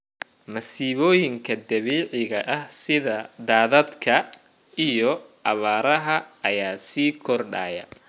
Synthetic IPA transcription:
mɐsiːβɔːjɪŋkʰɐd̪ɐβiːʕɪɣɐʔɐhsɪðɐd̪aːðɐd̪kʰɐ | ijɔʔɐβaːɾɐɦɐɐjaːsiːkʰɔrɖa̰ːjɐ̰

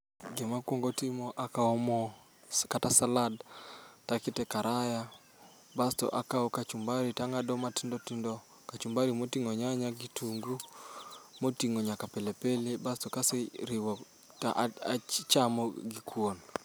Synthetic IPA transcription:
ɡemakwoŋɡotimɔʔakaɔmɔ | katasaladtakɪtɛkaɾaja | bastɔ̰ʔakaɔkat͡ʃumbaɾitaŋadɔmatindɔtindɔ | kat͡ʃumbaɾimotiŋoɲaɲaɡitʰuŋɡu | motiŋoɲakapelepelebastɔkaseɾiwɔ | ta̰ʔat͡ʃamɔɡikʰwon

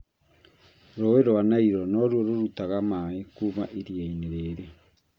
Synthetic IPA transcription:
ɾoeɾoanaiɾɔnɔɾwɔɾoɾutaɣamaekumaʔeɾjaineɾeɾe

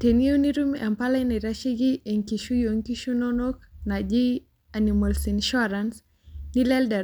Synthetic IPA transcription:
teniuniɾumʔampalaniɾaʃiɡieŋkiʃujoŋkiʃunɔnɔknad͡ʒi | animɔlsinʃɔɾans | nilɛlda

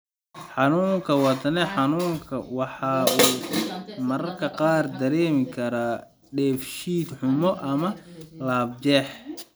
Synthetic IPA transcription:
ħɑnuːŋkʰɐwɐt̪ɐnɛħɑnuːŋkʰɐ̰wɑħɑːuːmɐɾɐrkʰɐqɑːrd̪ɐɾɛːmɪkʰɐɾa | ɖɛːfʃiːd̪ħʊmɔʔɐmɐlaːb̚t͡ʃɛːħ

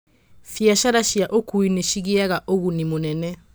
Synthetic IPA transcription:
fjaʃaɾaʃjaʔokuineʃiɣiaɣaʔoɣunimonɛnɛ

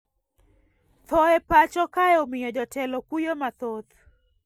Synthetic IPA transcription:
t̪ʰɔɛpat͡ʃɔkajɔmɪjɔd͡ʒɔtɛlɔkujɔmat̪ɔt̪

